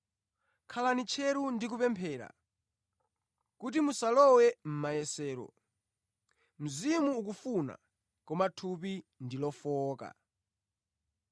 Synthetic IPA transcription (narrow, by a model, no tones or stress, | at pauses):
kʰalanit͡ʃʰɛɾundik̬upɛmpʰɛːɾa̰ | kutimusalɔwɛm̩majɛsɛːɾɔ̰ | m̩zimuːk̬ufuna̰ | kɔmatʰupindilɔfɔːka̰